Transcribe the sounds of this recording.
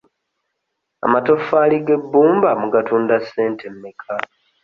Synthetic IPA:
a̰mato̞faːliɡe̞bːuːmbamuɡatuːndasːe̞ːntʰemmikʰa

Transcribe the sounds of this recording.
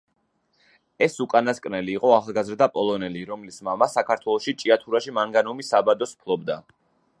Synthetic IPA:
ɛsukʼanaskʼnɛliːqʼɔaχalˠɡazɾd̪apʼɔlˠɔnɛliɾɔmlismamasakʰaɾt̪ʰwɛlˠɔʃit͡ʃʼiat̪ʰuɾaʃimaŋɡanɔmisabad̪ɔspʰlˠɔbd̪a

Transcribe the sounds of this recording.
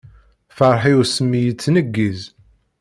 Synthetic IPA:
fəɾˤħiusəmːijət͡sːnəɡːiz

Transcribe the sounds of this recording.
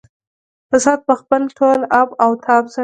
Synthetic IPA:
pasɑt̪̚pəxpəlʈʰolabawt̪ʰɑbsa

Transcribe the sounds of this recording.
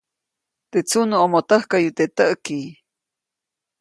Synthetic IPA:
t̪et͡sunuʔomot̪əhkajut̪eʔt̪əʔki

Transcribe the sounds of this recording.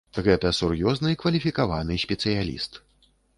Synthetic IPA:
ɣɛt̪ɐsurjɔznɨikvɐlʲifʲikavanɨsʲpʲɛt̪sɨjalʲḭst̪

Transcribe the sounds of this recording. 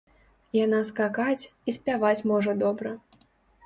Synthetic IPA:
janaskakat͡sʲisʲpʲavat͡sʲmɔʐɐd̪ɔbɾɐ

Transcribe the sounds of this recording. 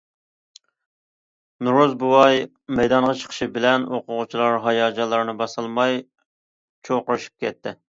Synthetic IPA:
nuɾuzbuwɑj | mɛjd̪ɑɴʁɑt͡ʃʰə̥qʰə̥ʃibɪlɛnoqʊʁʊt͡ʃʰilˠɑɾɦɑjɑːd͡ʒɑlˠːɑɾnɨbɑsɨlˠmɑj | t͡ʃʰoqʊɾɨʃi̥p̚kʲʰɛt̪ʰːɪ

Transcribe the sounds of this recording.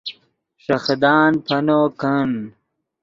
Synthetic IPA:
ʂɐxd̪aːnpʰɐnoːkʰɐn

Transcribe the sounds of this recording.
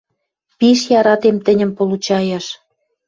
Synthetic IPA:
piʃjɑɾɑt̪emt̪ə̆nʲə̆mpolut͡ɕɑjɑʃ

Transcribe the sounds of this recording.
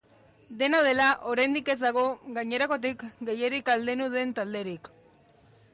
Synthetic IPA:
d̪e̞nað̞e̞laʔo̞ɾajnd̪ike̞zd̪aɣ̞o̞ɣaɲe̞ɾako̞t̪̬ikɡe̞jeɾikald̪e̞nuðe̞nt̪ald̪e̞ɾik

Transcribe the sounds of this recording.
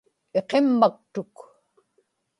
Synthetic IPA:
e̞qemːak̚t̪ʊk

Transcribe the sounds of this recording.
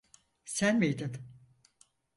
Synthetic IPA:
sænmijd̪ɪm

